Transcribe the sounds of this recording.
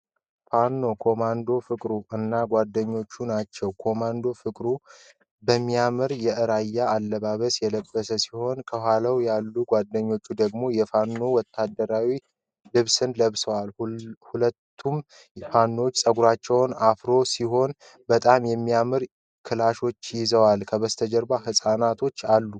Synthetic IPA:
fanːo̞kʰo̞mand̪o̞fɨkʼɾuɨnːaɡʷad̪ːəɲːo̞t͡ʃːunat͡ʃːɛwkʰo̞mand̪o̞fɨkʼɾu | bəmːijamɨɾjɛʔɨɾajːaːlːəβaβəsjɛləbːəsəsiho̞nkʰəhalawjalːuɡʷad̪ːəɲːo̞t͡ʃːud̪əɡmo̞jɛfanːo̞wɔt̪ʰːad̪ːəɾawi | lɨβsɨnləβsəwalhulət̪ʰːum | fanːot͡ʃːsʼəɡuɾat͡ʃːɛwnafɾo̞siɦo̞n | bət̪ʼamjɛmːijamɨɾ | kʰɨlaʃo̞t͡ʃːjɪzəwalkʰəβəst̪ʰəd͡ʒɛɾbaɦɨsʼanat̪ʰo̞t͡ʃːalːu

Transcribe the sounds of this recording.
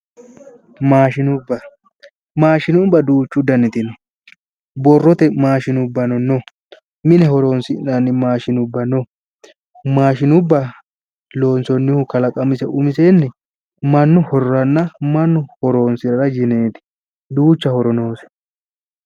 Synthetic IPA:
maːʃɪnʊbːɐ | maːʃɪnʊbːɐd̪uːt͡ʃːʊd̪ɐnːɪt̪ɪnɔ | bɔrːɔt̪ɛmaːʃɪnʊbːɐnɔnɔ | mɪnɛhɔɾo̞ːnsɪnanːɪmaːʃɪnʊbːɐnɔ | maːʃɪnʊbːɐ | lo̞ːnsɔnːɪhʊkɐlɐkʼɐmɪsɛʔʊmɪsenːɛ | mɐnːʊhɔɾɾɐnːɐmɐnːʊhɔɾo̞ːnsɪɾɐɾɐjɪneːt̪ɪ̥ | d̪uːt͡ʃːɐhɔɾɔnoːs

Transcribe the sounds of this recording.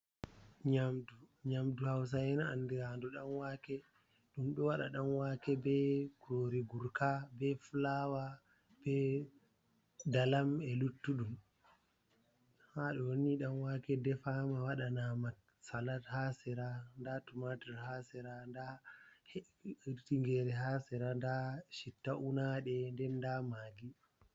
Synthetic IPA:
ɲamduɲamduhaws̬ajɛnaandɛɾandɔɗanwakɛ | ɗumɗɔwaɗa̰ɗanwakɛbɛkuɾoɾiɡuɾkabɛfulawa | b̥ɛ | dalamɛlutːuɗum | haɗɔwoniɗanwakɛdɛfamawaɗanama | salathasɛɾandatumatɛɾhasɛɾandahɛ | iɾtiŋɡɛɾɛɦasɛɾandaʃitːaʔunaɗɛndɛndamaːɡi

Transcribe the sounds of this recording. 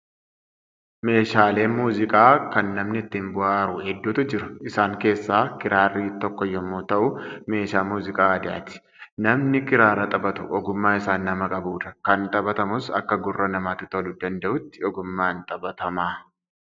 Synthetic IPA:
me̞ːʃaːle̞ːmuːzɪkʼaːkɐnːɐmnɪɪt̪ːɪmbʊʔaːɾʊhɛd̪ːuːt̪ʊd͡ʒɪɾʊɪsaːŋke̞ːsːaːkɪɾaːrːiːt̪ɔkːɔjɔmːuːt̪ɐʔʊme̞ːʃaːmuːzɪkʼaːd̪ɪa̰ːt̪ɪ̥ | nɐmnɪkɪɾaːɾɐt̪ʼɐbɐt̪ʊʔɔɡʊmːaːɪsaːnːɐmɐkʼɐbuːᶑ̪ɐkɐnt̪ʼɐbɐt̪ɐmʊsɐ̰kːɐɡʊrːɐnɐmaːt̪ʊt̪ɐlʊd̪ɐnd̪ɐʔʊt̪ːɪɔɡʊmːaːnt̪ʼɐbɐt̪ɐmaː

